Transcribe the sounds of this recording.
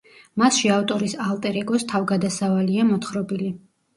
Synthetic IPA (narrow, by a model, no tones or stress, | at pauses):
masʃiavt̪ʼɔɾisalˠt̪ʼɛɾɛɡʼɔst̪ʰavɡad̪asavaliamɔt̪χɾɔbili